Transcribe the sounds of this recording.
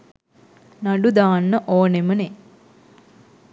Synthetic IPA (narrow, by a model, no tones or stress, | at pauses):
naɖud̪aːnːəʔoːneməne